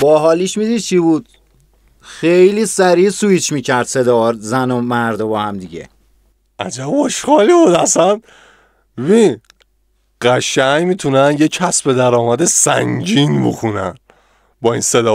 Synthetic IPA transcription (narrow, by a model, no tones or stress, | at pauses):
b̥ɒːɦɒːliːʃmid̪iːd̪̚t͡ʃʰibuːd̪̥ | xejliːsæɾiːsuit͡ʃʰmiːcʰæɾd̪sed̪ɒːzænomæɾd̪obɒːhæmd̪iɟḛ | ʔæd͡ʒæboʃxɒːlibud̪æsæn | beβin | ɢæʃæɲmit̪ʰunænjecʰæsbe̞d̪æɾɒːmæd̪esæŋd͡ʒinbo̰xunæ̰n | bɒːḭːnsed̪ɒː